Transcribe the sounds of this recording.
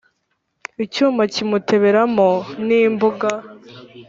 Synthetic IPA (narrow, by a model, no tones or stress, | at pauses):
icuːmacimutʰe̞βe̞ɾamoniːmbuɡa